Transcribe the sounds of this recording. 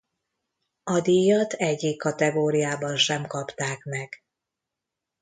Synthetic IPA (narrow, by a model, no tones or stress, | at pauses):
ɒd̪ijɒt̪ʰɛɟːiːkːɒt̪ɛɡoːɾijaːbɒnʃɛmkɒpt̪aːkmɛɡ̥